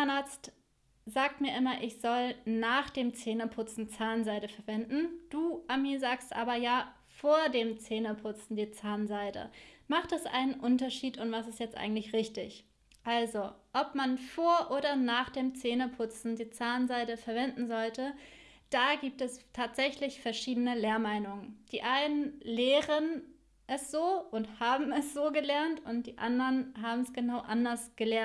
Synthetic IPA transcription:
anʔaːɐt͡st | z̥aːk̚tmiːɐʔɪmɐʔɪçz̥ɔlnaːχd̥eːmt͡seːnəpʰʊt͡sn̩t͡saːnzaɪdəfɛɐvɛndn̩d̥uːʔamiːzaːkstʔa̰ːbɐjaː | foːɐdeːmt͡seːnəpʰʊt͡sn̩diːt͡saːnzaɪdə̰maχtd̥asʔa̰ɪnənʔʊntɐʃiːtʊntv̥asɪstjɛt͡stʔa̰ɪɡŋ̩tlɪçʁɪçtɪ̰ç | ʔalzoʔɔpmanfoːɐʔoːɾɐnaːχd̥eːmt͡seːnəpʰʊt͡sn̩diːt͡saːnzaɪdəfɛɐvɛndn̩zɔltə | d̥aːɡiːp̚tɛstʰaːtz̥ɛçlɪçfɛɐʃiːdənəleːɐmaɪnʊŋənd̥iːʔaɪnənleːʁən | ʔɛsz̥oːʔʊnthaːbm̩ɛsz̥oːɡəlɛɐntʊntd̥iːʔandɐnɦaːbm̩sɡ̥ənaʊʔandɐsɡ̥əlɛɐ

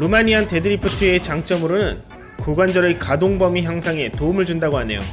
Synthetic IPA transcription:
ɾomaɲiante̞dɯɾipʰɯtʰɯet͡ɕaŋt͡ɕ͈ʌmɯɾonɯn | kuɡwand͡ʑʌɾɯkadoŋbʌmiçjaŋsʰaŋe̞toumɯɭd͡ʑundaɡoɦane̞̰jo̰

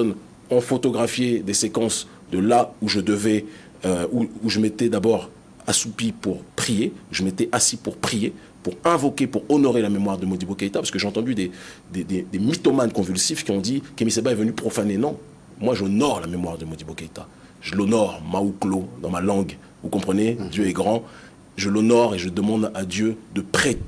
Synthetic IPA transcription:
ssɔn | ɔ̃fot̪ɔɡʁafjed̪esekɑ̃s | d̪əlauʒəd̪əvɛ | øuuʒəmet̪ɛd̪abɔʁ | asupipuʁpχijeuʒəmet̪ɛʔasipuʁpχije | puʁɛ̃vɔkʲepuʁɔnɔʁelamemwaʁd̪əmod̪ibokait̪apasə̥kəʒeɑ̃t̪ɑ̃d̪yd̪ed̪ed̪ed̪emit̪ɔmankɔ̃vylsifkʲiɔ̃d̪ikemisebaɛvənypχɔfanenɔ̃ | mwaʒɔnɔʁlamemwaʁd̪əmod̪ibokait̪a | ʒ̥əlɔnɔʁmauklod̪ɑ̃malɑ̃ɡ | vukɔ̃pχəned̪jøɛɡʁɑ̃ | ʒəlɔnɔʁeʒəd̪əmɑ̃d̪ad̪jød̪əpχɛ

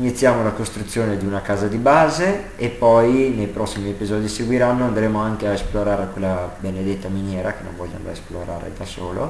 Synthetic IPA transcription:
init̪sːjaːmolakost̪ɾut̪sːjoːned̪iunakaːzad̪ibaːze | epːɔjnejpɾɔsːimiepizɔːd̪iseɡwiɾanːoand̪ɾeːmoaŋkeaesploɾaːɾekwelːabened̪et̪ːaminjɛːɾakenːõ̰ɱvɔʎːa̰nd̪a̰esploɾa̰ːɾḛd̪aso̰ːlo̰

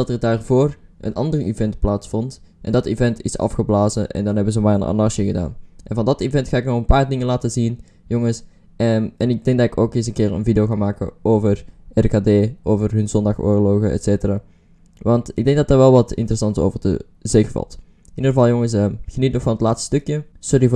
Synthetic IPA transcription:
dɑtədaːrvoːrʔə̰nʔɑ̰ndərivɛntplaːtsfɔnt | ʔɛ̰ndɑtivɛntʰɪsɑ̰fxəblaːzəʔɛ̰ndɑnɦɛbənzəmaːjənʔa̰nɑsəɣəda̰ːnʔɛnvɑndɑtivɛntxaːɪknɔxənpaːɹdɪŋənlaːtəzin | joŋəs | ɛnɪɡ̚dɛŋɡ̚dɑtɪkoːkɪːs̬ənkɪːrə̰nvidəoxaːmaːkə̰oːvərʔɛrkaːdeːʔoːvərɦɵnzɔndɑxo̰ːɹloxəɛ̰tseːtəraː | ʋɑntɪɡ̚dɛŋɡ̚dɑt̚daːɹʋɛlˠʋɑtɪ̰ntərəsɑnto̰wvərdə̰ | zexəvɑ̰lˠt | ʔindərəvɑlˠjoŋəs̬əxənit̚nɔxfɑnətlaːtststɵkjə | sʊri

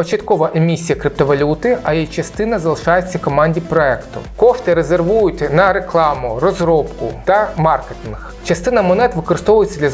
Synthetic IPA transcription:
ɔt͡ʃit̪kɔʋɐʔemʲisʲijɐkɾɪp̚t̪ɔʋɐlʲut̪ɪɐjejt͡ʃɐst̪ɪnɐzɐlˠɪʃɑjet͡sʲːɐkɔmɑnʲdʲipɾɔɛkt̪ʊ̰kɔft̪ɪɾezerʋujʊtʲnɐɾeklˠɑmʊrɔzɾɔpkʊt̪ɐmɑrket̪ɪnx | t͡ʃɐst̪ɪnɐmɔnɛt̪ʋɪkɔɾɨst̪ɔʋʊjet͡sʲːɐd̪ʲlʲɐ

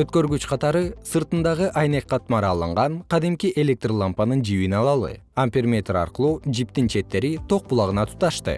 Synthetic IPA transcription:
øt̪̚kø̞ɾɡyt͡ʃqʰɑt̪ɑɾɯsɯɾt̪ɯnd̪ɑʁɯʔɑjneq̚ːɑt̪mɑɾɑːlˠɯɴʁɑɴqʰɑd̪imkʲiʔe̞lʲe̞k̚t̪rolˠampɑnɯnd͡ʒiβinɑlˠɑlˠɯ̰ | ampʲermʲet̪rɑ̰ɾqɯlˠuːd͡ʒip̚t̪int͡ʃʰe̞t̪ːe̞ɾit̪ʰo̞q̚bulˠɑʁɯnɑt̪ʰu̥t̪ɑʃt̪ɯ̰

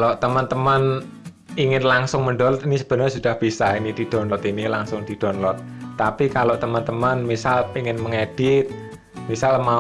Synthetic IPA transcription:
lot̪əmənt̪əmən | iŋɪnlaŋsʊŋməɳɖɔlɔt̪inisəb̥ənəsud̥ahb̥isainid̪̥i̤d̥ɔ̤nlɔt̪inila̰ŋsʊŋd̪̥i̤d̥ɔ̤nlɔt̪̚ːapikaloʔt̪əmənt̪əmənmisaliŋɪnməŋed̥ɪt̪̚ | misalma

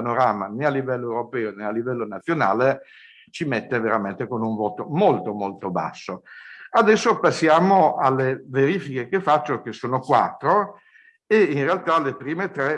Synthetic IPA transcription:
noɾaːmanealːivɛlːoewɾopɛːonealːivɛlːonat̪sːjona̰ːle | t͡ʃimet̪ːeveɾament̪ekonuɱvoːt̪omolt̪omolt̪oba̰sːoad̪ɛsːopasːjaːmoalːeveɾiːfikekefːat͡ʃːok̟esːoːnokwa̰t̪ːɾo | einrealt̪alepɾiːmet̪ɾɛ

